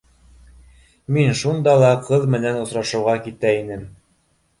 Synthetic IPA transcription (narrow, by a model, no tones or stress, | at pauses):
minʃund̪ɑlˠɑqɤðmɘ̆nænŏsɾɑʃɤ̆wʁɑkit̪æinɘm